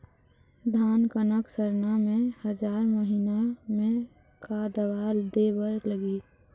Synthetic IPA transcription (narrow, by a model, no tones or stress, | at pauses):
d̪ʱaːnkənəksəɾnamẽhəd͡ʒaːɾməɦinamẽ | kad̪əbaːld̪ebəɾləɡiː